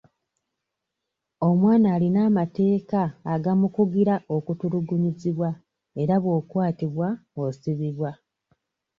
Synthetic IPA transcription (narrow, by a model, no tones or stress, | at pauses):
o̞mwaːnaːlinaːmate̞ːkaːɡamukuɡiɾaʔo̞kutuɾuɡuɲiziβwa | e̞ɾaβwo̞ːkwaːtiβwaosiβiβwa